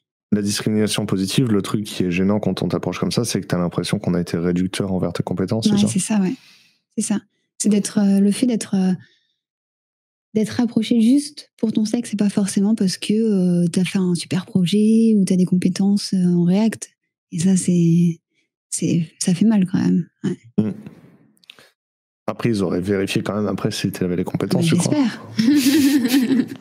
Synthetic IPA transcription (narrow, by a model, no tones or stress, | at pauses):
lad̪iskχiminasjɔ̃pozit̪ʰivlət̪χykːʰʲiɛʒenɑ̃kɑ̃t̪ɔ̰̃t̪apχɔʃkɔmsasɛkət̪yalɛ̃pχesjɔ̃kɔ̃naet̪ʰeʁed̪yk̚t̪ʰœʁɑ̃vɛ̰ʁt̪əkɔ̃pet̪ɑ̃swɛsɛsawɛ | sɛsa | sɛd̪ɛt̪χøləfɛd̪ɛt̪χø | d̪ɛt̪χapχɔʃeʒyst̪puʁt̪ɔ̃saksɛpafɔʁsemɑ̃paʁsə̥kʰəøt̪yafɛɛ̃sy̥pɛʁpχɔʒɛut̪yad̪ekɔ̃pet̪ɑ̃søɑ̃ʁeakt̪ | esasɛ | sɛ̰safɛmalkɑ̃mɛ̰mwɛ | apχɛilzɔʁɛ̰veʁifjekɑ̃mɛma̰pχɛsit̪ylavɛlekɔ̃pet̪ɑ̃sʒəɛswa̰pɛʁ